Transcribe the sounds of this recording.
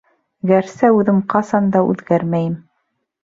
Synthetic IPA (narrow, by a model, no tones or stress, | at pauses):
ɡæɾsæʉðɘmqɑsɑnd̪ɑʉ̰ðɡæɾmæjɘm